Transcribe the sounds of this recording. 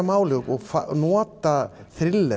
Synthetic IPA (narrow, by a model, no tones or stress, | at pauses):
amaːwlʏkɔɣfanɔːt̪a | θɾɪlːɛ